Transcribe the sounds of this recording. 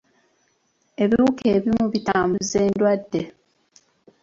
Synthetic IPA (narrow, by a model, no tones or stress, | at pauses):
e̞βiuke̞ːβimuβitaːmbuzeːndwadːe̞